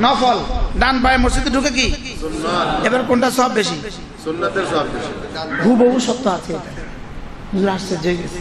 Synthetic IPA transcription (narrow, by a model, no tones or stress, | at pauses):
nɔpʰɔlɖanp̬ajemɔɾsit̪iɖʱuk̬ek̬i | ebɔɾkoɳʈasɔbːeʃi | ɡʱuboɦusɔt̪ːɔat̪ʰi | ɦud͡ʒuɾassed͡ʒojɡesʰi